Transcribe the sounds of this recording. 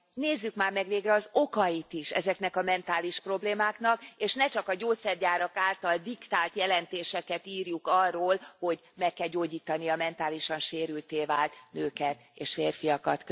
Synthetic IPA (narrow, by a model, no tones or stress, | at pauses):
neːzːykmaːrmɛɡʋeːɡrɛɒzo̞kɒjit̪iʃɛ̰zɛknɛkɒmɛnt̪aːliʃpro̞bleːmaːkn̪ɒkeːʃnɛt͡ʃɒkɒɟoːt̪sɛrɟaːɾɒkaːlt̪ɒld̪ikt̪aːlt̪jɛlɛnt̪eːʃɛkɛt̪iːrjukɒrːoːlho̞ɟ | mɛkːɛlɟoːɟiːt̪ɒnijɒmɛnt̪aːliʃɒnʃeːɾylt̪eːvaːlt̪nøːkɛt̪ḛːʃfeːrfijɒkɒt̪k